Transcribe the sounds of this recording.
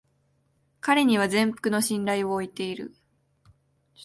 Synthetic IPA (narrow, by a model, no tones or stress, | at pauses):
kaɾe̞ɲ̟iβ̞azẽ̞mpɯ̟̥kɯ̟no̞ɕĩnɾaio̞ːit̪e̞iɾɯ̟̰